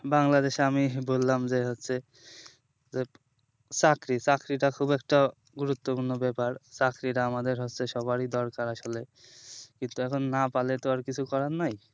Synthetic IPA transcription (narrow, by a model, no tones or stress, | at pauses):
baŋlad̪eʃamibolːamd͡ʑeɦotːɕʰe | d͡ʑe | t͡ɕakɾit͡ɕakɾiʈakʰubɛk̚ʈa | ɡuɾut̪ːopuɾnobɛpaɾt͡ɕakɾiʈaamad̪eɾɦotːɕʰeʃɔbaɾid̪ɔɾkaɾaʃole | kint̪uɛkʰonːapalet̪oaɾkit͡ɕʰukɔɾanaj